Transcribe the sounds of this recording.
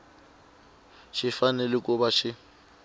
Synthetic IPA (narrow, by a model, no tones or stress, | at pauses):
ʃɪfanɛlɪkʼʊbaʃɪ